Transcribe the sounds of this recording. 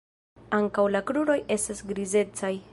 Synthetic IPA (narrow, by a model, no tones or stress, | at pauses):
aŋkawlakɾuɾo̞je̞stasɡɾize̞t͡saj